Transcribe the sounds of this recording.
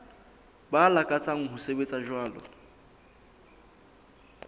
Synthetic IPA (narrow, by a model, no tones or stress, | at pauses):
balakʼat͡sʼaŋ̩ɦʊsebet͡sʼaʒwaːlɔ̰